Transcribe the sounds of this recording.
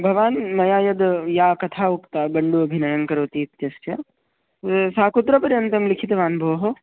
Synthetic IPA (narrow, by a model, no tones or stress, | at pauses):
bʱɐʋaːnmɐjaːjɐd̪jaːkɐt̪ʰaːukt̪aːbɐɳɖuɐbʱinɐjɐnkɐɾoːt̪iːt̪jɐst͡ʃɐ | saːkut̪ːɾɐpɐɾjɐnt̪ɐmlikʰit̪ʋaːnbʱɐʋɦo